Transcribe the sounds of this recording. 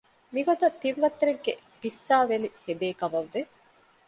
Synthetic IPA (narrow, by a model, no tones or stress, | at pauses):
miɡot̪ɐt̪ːiʋʋɐt̪ːeɾeɡːe | b̥isːaːʋelihed̪eːkɐmɐʋːe